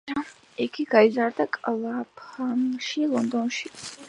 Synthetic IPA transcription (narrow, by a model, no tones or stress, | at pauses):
iɡʰiɡaizaɾd̪akʼlapʰamʃilˠɔnd̪ɔnʃi